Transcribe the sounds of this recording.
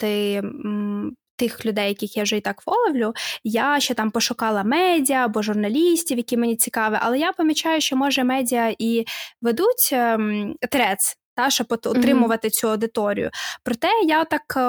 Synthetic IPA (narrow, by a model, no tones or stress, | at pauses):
t̪ɪ | t̪ɪxlʲʊd̪ɛjːɐkʲɪxjawʒɛit̪ɑkʋɔlˠɔʋlʲʊjaʃt͡ʃɛt̪ɑmpɔʃʊkɑlˠɐmɛdʲiɐbɔʒʊrnɐlʲisʲtʲiwjɐkʲimenʲit͡sʲikɑʋɪʔɐ̰lˠɛjapɔmʲit͡ʃɑjʊʃt͡ʃɔmɔʒɛmɛdʲiɐʔiʋed̪utʲ | ɔt̪ɾɛst̪ɑʃɔbɔɔt̪ɾɪmʊʋɐt̪ɪt͡sʲuɐwd̪ɪt̪ɔɾʲḭjʊ̰pɾɔt̪ɛjat̪ːɑk